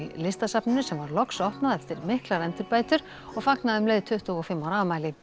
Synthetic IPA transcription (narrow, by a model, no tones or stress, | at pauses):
lɪst̪asapnʏnʏsɛmvaɾlɔksɔhpnaðɛft̪ɪɾmɪhklaɾɛnt̪ʏɾpaːjt̪ʏɾ̥ | ɔɣfaknaðʏmleːjðɪt̪ʰʏht̪uɔfɪmːawɾavmaːjlɪ